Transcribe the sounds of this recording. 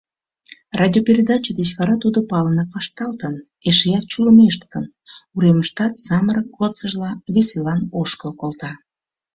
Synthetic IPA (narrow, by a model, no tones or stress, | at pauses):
rɑdʲiopʲeɾʲed̪ɑt͡ɕəd̪et͡ɕβɑɾɑt̪ud̪opɑlənəpɑʃt̪ɑlt̪ən | eʃejɑt̪̚t͡ɕuləmeʃt̪ːən | uɾeməʃt̪ɑt̪sɑməɾəkɡot̪t͡səʒlɑvʲesʲelɑnoʃkəlkolt̪ɑ